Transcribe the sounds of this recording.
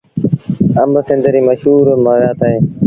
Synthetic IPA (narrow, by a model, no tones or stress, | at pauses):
əmbəsɪ̃nd̪əɾiːməʃɦuːɾmaːʋjaːt̪aːɦeː